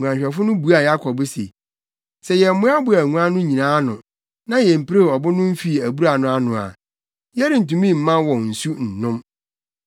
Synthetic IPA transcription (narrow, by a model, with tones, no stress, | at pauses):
u˨ã˨ɲɕᶣɛ˨fʊ˦nʊ̃˦bu˨˦a˨ja˦kʰɔ˨bɪ˦sḛ˨ | sɛ˨jɛ˨m̩˦mʊ̃˦a˦bʊ˨æ˨ŋũ˦ã˦nʊ̃˦ɲĩ˨nãː˦nʊ̰̃˨ | nã˦jɛ˨m̩˨pɾe˦˨ɔ˨bʊ˦nʊ̃˦m̩˦fi˦˨æ˨bu˦ɾa˨nʊ̃˦a˨nʊ̃˨a̰˨ | jɛ˦ɾɪ˨n̩˨tũ˨mĩ˦˨m̩˨mã˦wɔ̃˨n̩˨su˦n̩˨nʊ̃˦m